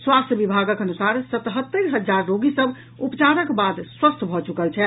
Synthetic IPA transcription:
swast̪jəbibʱaɡəkənusaɾsət̪ɦət̪ːəɾɦəd͡ʒaɾːoɡisəb | upt͡ʃaɾəkbad̪swəst̪ʰbʱɔt͡ʃukəlt͡ʃʰɛ

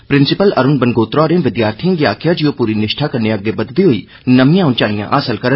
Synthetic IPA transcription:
pɾɪ̃nsɪpəlɐɾʊnbənɡoːt̪ɾɔːɾẽʋɪd̪jaːɾt̪ʰijə̃ɡiaːkʰjad͡ʒiopuːɾinɪʃʈʰakɐɾneɐɡːebɐd̪d̪iɦoiː | nɐmijãːʊ̃nt͡ʃaːñɪjã̰ʔa̰ːsəlkəɾə

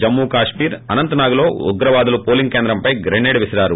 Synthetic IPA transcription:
d͡ʒɐmːuːkaːʂmiːɾɐnɐnt̪ɐnaːɡulo̞ːuɡɾɐʋaːd̪ulupoːliŋɡke̞ːnd̪ɾɐmpɐjɡɾeneːɖʋisɐɾaːɾu

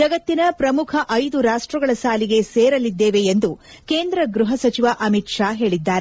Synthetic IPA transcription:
d͡ʒɐɡɐt̪ːinɐpɾɐmukʰɐʔɐjd̪uɾaːʂʈɾɐɡɐɭɐsaːliɡe̞seːɾɐlid̪ːeːʋe̞ːnd̪ukeːnd̪ɾɐɡɾuɦɐsɐt͡ʃiʋaʔɐmit̪ʂaːɦe̞ːɭid̪ːaːɾe

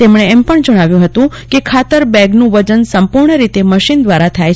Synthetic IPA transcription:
t̪emɳ̃eːmpəɳd͡ʒəɽ̃aʋjũɦət̪ũ | kekʰat̪əɾbɛɡnũʋəd͡ʒənsəmpuɾɳəɾit̪eməʃind̪ʋaɾat̪ʰaj

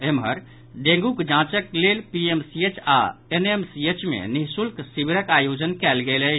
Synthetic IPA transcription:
emɦəɾ | ɖẽŋɡukd͡ʒãt͡ʃəklelpiemsiet͡ʃa̰enemsiet͡ʃmḛniɦsulksibiɾəkajod͡ʒənkɛlɡelə

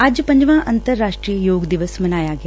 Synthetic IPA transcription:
ad͡ʒpɐɲd͡ʒʋãːʔɐnt̪ɐɾːaːʂʈɾiːjəjoːɡd̪iʋəsmɐnaːjaːɡjaː

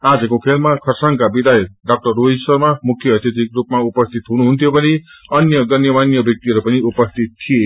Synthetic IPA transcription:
ad͡zʌkokʰelmakʰʌrsaŋkabid̪ajʌɖak̚ʈʌrːoisʌrmamukʰjʌːt̪jʌt̪ikrupmaupʌst̪ʰit̪ɦunuɦunt̪ʰjobʌniʌnjʌɡʌnjʌmanjʌbjʌk̚t̪iɦʌɾupʌniupʌst̪ʰit̪ʰːije

